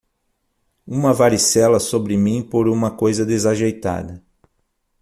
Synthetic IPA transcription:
ũmɐvaɾisɛlɐsobɾɪmĩpoɾũmɐkojzɐd̪ezaʒejt̪a̰d̪ɐ

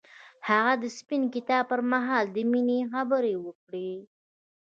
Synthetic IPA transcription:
haɣad̪əspinkɪt̪ɑb̚pəɾmaɦɑld̪əminexabəɾewəkɽe

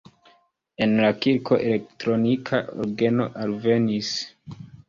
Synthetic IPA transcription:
e̞nlakiɾkʰo̞ʔe̞le̞k̚tɾo̞nikʰaʔo̰ɾɡe̞no̞̰ʔalve̞nis

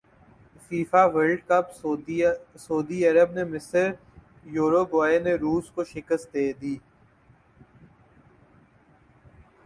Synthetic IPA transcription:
fiːfaʋəlɖkəp | sɔːd̪iɐɾəbnemɪsəɾ | joːɾoɡaːeneɾuːskoʃɪkəst̪̚d̪eːd̪iː

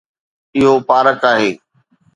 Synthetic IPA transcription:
ɪɦopaːɾəkaːɦeː

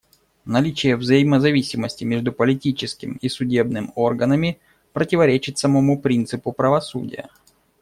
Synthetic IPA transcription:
nɐlʲit͡ɕɪjəvzəjɪməzɐvʲisʲɪməsʲtʲɪmʲeʐd̪ʊpəlʲɪtʲit͡ɕɪskʲɪmisʊdʲe̞bnɨmorɡənəmʲɪ | pɾətʲɪvɐɾʲet͡ɕɪt̪sɐmɐmupɾʲint̪sɨpʊpɾəvɐsṵdʲɪ̰jə̰

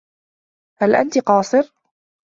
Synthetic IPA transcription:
halʔa̰nt̪ɪqɑːsˤɨɾ

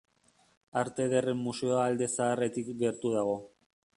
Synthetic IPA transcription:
aɾt̪e̞ðere̞mːuse̞oald̪e̞saːre̞t̪ikɡe̞ɾt̪uð̞aɣ̞o̞

